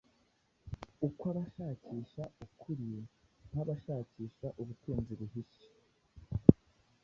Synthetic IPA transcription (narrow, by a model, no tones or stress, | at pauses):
ukwaβaʃaːciːʃaukʰuɾin̥haβaʃaːciːʃaʔuβutuːnziβuɦiʃe̥